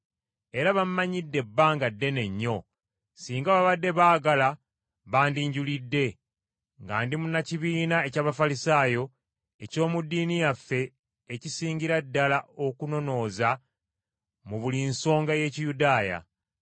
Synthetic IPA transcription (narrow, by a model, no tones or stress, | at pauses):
e̞ɾaβamːaɲidːe̞bːaːŋɡadːe̞ne̞ɲːo̞ | siːŋɡaβaβadːe̞βaːɡala | βaːndiɲɟulidːe̞ | ŋɡaːndimunaciβiːnae̞caːβafalisaːjo̞ | eco̞ːmudːiːnijafːe̞ː | cisiːɲɟiɾadːalao̞kuno̞no̞ːza | muβulinso̞ːŋɡaje̞ːcijudaːja̰